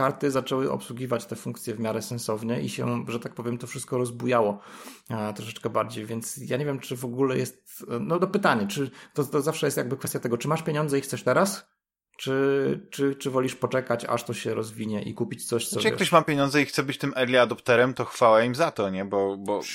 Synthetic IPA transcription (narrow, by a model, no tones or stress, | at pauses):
kaɾt̪ɘzat͡ʂɛwɘʔɔ̰pswuɡʲivat͡ɕt̪ɛfuŋkt̪sʲjɛvmʲjaɾɛsɛ̃nsɔvɲɛʔiɕɛ̰ʐɛt̪ak̚pɔvʲjɛmt̪ɔfʂɘst̪̚kɔɾɔzbujawɔ | t̪ɾɔʂɛt͡ʂkɛbaɾd͡ʑejvʲjɛnt̪sjaɲevʲjɛmt͡ʂɘvɔɡulɛjɛst̪nɔd̪ɔpɘt̪aɲat͡ʂɘt̪ɔt̪ɔzafʂɛjɛst̪jaɡ̚bɘkfɛst̪ʲjat̪ɛɡɔt͡ʂɨmaʂpʲjeɲɔnd̪zɛixt̪sɛʂt̪ɛɾas | t͡ʂɘt͡ʂɘt͡ʂɘvɔlʲiʂpɔt͡ʂɛkat͡ɕa̰ʂt̪ɔɕɛɾɔzvʲiɲɛʔḭkupʲit͡ɕt̪sɔɕt̪sɔjakt̪ɔɕmapʲjeɲɔnd̪zɛixt̪sɛbɘt͡ɕt̪ɘmʔɛɾlʲiad̪ɔpt̪ɛɾɛmt̪ɔxfawaimzat̪ɔɲɛbɔbɔ